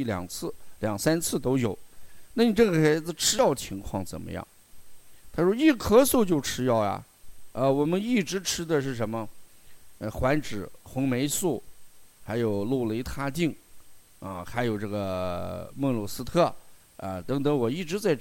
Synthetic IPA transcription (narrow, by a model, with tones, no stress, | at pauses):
i˥˩ljɑ̰˨˩ŋt͡sʰɹ̩˥˩ljɑ˨˩ŋsa˥nt͡sʰɹ̩˥˩t̪o˥ʊjo˨˩ʊna˥˩ni˨˩ʈ͡ʂɤ˥˩ɡə˩xa˧˥ɪd͡z̩˧ʈ͡ʂʰɻ̩˥jɑ˥˩ʊt͡ɕʰi˧˥ŋkʰwɑ˥˩ŋt͡sə̰˨˩nmə̰˦jɑ̰˥˩ŋ | t̪ʰa˥ʂwɔ˥i˥˩kʰɤ˥su˥˧t͡ɕjo˥˩ʊʈ͡ʂʰɻ̩˥jɑ˥˩ʊjɐ̰˩ | ə˧wɔ˨˩mə˦ni˥˩ʈ͡ʂɻ̩˧˥ʈ͡ʂʰɻ̩˥d̪ə˨ʂɻ̩˥˩ʂə˧˥nmə˧ | xwa˧˥nʈ͡ʂɻ̩˨˩˦xʊ˧˥ŋme˧˥ɪsu˥˩xa˧˥ɪjo˨˩ʊlu˥˩lə˧i˧˥t̪ʰa˥˧t̪i˥˩ŋ | ə̰˧xa˧˥ɪjo˨˩ʊʈ͡ʂɤ˥˩ɡə˩mɤ˥˧ŋlu˨˩sɹ̩˥t̪ʰɤ˥˩ | ə̰˧t̪ɤ˧˥ŋt̪ɤ˧˥ŋwɔ˨˩i˥˩ʈ͡ʂɻ̩˧˥t͡sa˥˩ɪ